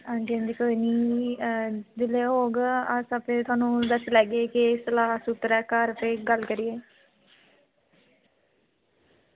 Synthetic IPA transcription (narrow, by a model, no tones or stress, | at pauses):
ãːɳɖənd̪ikoːiniː | d̪ɪleːɦoːɡəsəpẽːt̪ʰʊaːnũːd̪əslɛːɡeːkɪsəlaːsʊt̪ɾɛːkaːɾəpẽːɡəlkəɾiːeː